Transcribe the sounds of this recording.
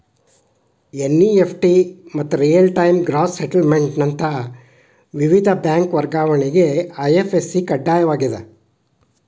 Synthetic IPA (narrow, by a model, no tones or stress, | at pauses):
enːiepʰʈimɐt̪ːuɾijɐlʈɐjmɡɾaːsseʈɐlmeɳʈnɐnt̪ʰɐ | ʋiʋid̪ʱɐbjaːŋkʋɐɾɡaːʋɐɳiɡeɐjefesːikɐɖːaːjɐʋaːɡid̪ɐ